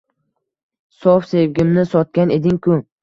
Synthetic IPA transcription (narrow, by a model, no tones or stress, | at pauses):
sɒfsevɡʲɪmnɪsɒt̪̚kʲane̞d̪ɪŋkʰʊ